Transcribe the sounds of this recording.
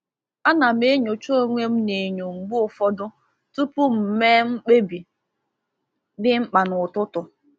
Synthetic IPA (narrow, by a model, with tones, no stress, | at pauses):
a˦na˨m˦e˦ɲo˨t͡ʃo˦o˦ŋʷe˦m̩˦ne˨ɲo˨ŋ͡m̩˨ɡ͡bu˦ʊ˨fɔ˦dʊ˦ | tu˦pu˦m̩˨meː˦ŋ͡m̩˦k͡pe˦bi˨ | dɪ˦ŋ͡m̩˦k͡pa˨nʊ˨tʊ˦tʊ˨